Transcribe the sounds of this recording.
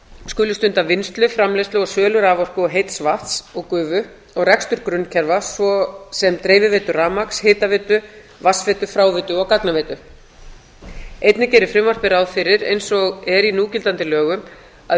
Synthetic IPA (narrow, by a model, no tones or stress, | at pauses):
skʏːlʏst̪ʏnt̪avɪnst̪lʏfɾamlejst̪ʏɔsœːlʏɾaːvɔr̥kʏɔɦejt̪svaht̪sɔɣkʏːvʏ | ɔɣrɛkst̪ʏɾkɾʏnːcʰɛɾvasvɔsɛmt̪ɾeːjvɪvɪːt̪ʏraːmaksheːt̪avɪːt̪ʏ | vasvɛːt̪ʏfɾaːwvɪt̪ʏɔɣkak̪naveːt̪ʏ | ejt̪nɪceːɾɪfɾɪmvɔr̥pɪɾawðfɪɾɪɾḛjnsɔɣɛɾinuːcɪlt̪ant̪ɪlœːɣʏm | a